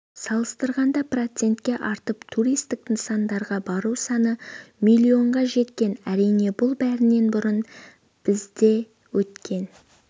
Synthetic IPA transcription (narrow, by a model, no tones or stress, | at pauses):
sɑlˠəst̪əɾʁɑnd̪ɑpro̞t̪se̞nt̪kʲe̞ʔɑɾt̪əpt̪ʰuɾijst̪ɪk̚t̪ɪsɑnd̪ɑɾʁɑbɑɾusɑnəmilʲːio̞ɴʁɑʒe̞t̪kʲe̞næɾijne̞bʊlˠbæɾɪne̞nbʊɾən | b̥ɪzd̪e̞ | wɵt̪kʲʰe̞n